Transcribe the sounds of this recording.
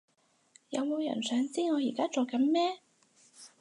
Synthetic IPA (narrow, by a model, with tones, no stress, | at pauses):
jɐ˨˧wmo˨˧wjɐ̰˨˩nsœː˨˧ŋt͡siː˥ŋɔː˨˧jḭː˨˩kaː˥t͡soː˨kɐ˨˥nmɛː˥